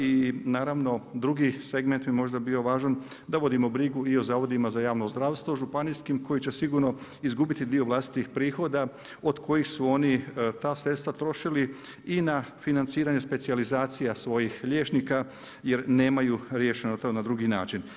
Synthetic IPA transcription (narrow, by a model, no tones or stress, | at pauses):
inaːɾaʋno̞d̪ɾuɡise̞ɡme̞nt̪bimo̞ʒd̪abiːo̞ʋaːʒan | d̪aʋo̞d̪imo̞bɾiɡuio̞zaːʋo̞d̪imazajaːʋno̞zd̪ɾaːʋst̪ʋo̞ʒupanijskimko̞jit͡ɕe̞siɡuɾno̞ | izɡuːbit̪id̪ioʋlˠast̪i̥t̪ixpɾiːxo̞d̪a | o̞d̪kʰo̞jixsuo̞nit̪aːsɾe̞t̪st̪ʋat̪ɾo̞ʃili | inafinant̪siːɾaɲe̞spesializaːt̪sijasʋo̞jixʎe̞ːt͡ʃnika | jeɾne̞ːmajuɾje̞ːʃe̞not̪onad̪ɾuɡina̰ːt͡ʃin